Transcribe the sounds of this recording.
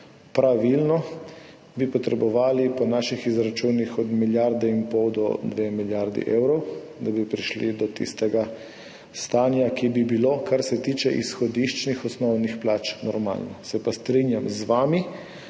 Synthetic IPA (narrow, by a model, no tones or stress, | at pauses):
pɾaʋilnɔ | bipɔt̪ɾɛbɔʋaːlipɔnaːʃixizɾat͡ʃuːnixɔd̪miljaɾd̪ɛimpɔwd̪ɔ̰d̪ʋemiljaɾd̪ḭʔewɾɔw | d̪abipɾiʃlḭd̪ɔt̪ḭst̪ɛɡa | st̪aːnjakibibiloːkaɾsɛt̪iːt͡ʃɛʔḭsxɔd̪iʃt͡ʃnixɔsnɔwnixplat͡ʃnɔɾma̰ːlnɔsɛpast̪ɾinjamzʋaːmi